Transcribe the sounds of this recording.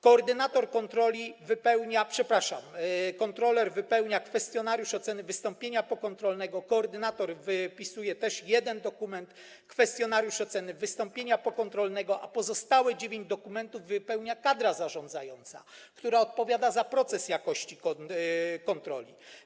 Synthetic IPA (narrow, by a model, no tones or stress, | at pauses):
kɔːɾd̪ɘnat̪ɔɾkɔnt̪ɾɔlʲivɘpɛwɲapʂɛpɾaʂa̰mkɔnt̪ɾɔlɛɾvɘpɛwɲakfɛst̪ʲjɔnaɾjuʂɔt̪sɛnɘvɘst̪ɔmpʲjeɲapɔkɔnt̪ɾɔlnɛɡɔkɔːɾd̪ɘnat̪ɔɾvɘpʲisujɛt̪ɛʂjɛd̪ɛnd̪ɔkumɛnt̪ | kfɛst̪jɔnaɾjuʂɔt̪sɛnɘvɘst̪ɔmpʲjeɲapɔkɔnt̪ɾɔlnɛɡɔʔapɔzɔst̪awɛd͡ʑevʲjeɲd͡ʑd̪ɔkumɛnt̪uvːɘpɛwɲakad̪ɾazaʐɔ̃nd̪zajɔnt̪sa̰kt̪uɾaɔt̪̚pɔvʲjad̪azapɾɔt̪sɛsjakɔɕt͡ɕikɔkɔnt̪ɾɔ̰lʲḭ